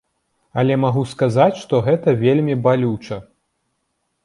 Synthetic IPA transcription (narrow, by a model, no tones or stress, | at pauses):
ɐlʲɛmaɣuskazat͡sʲʂt̪ɔɣɛt̪ɐvʲelʲmʲibalʲut͡ʂɐ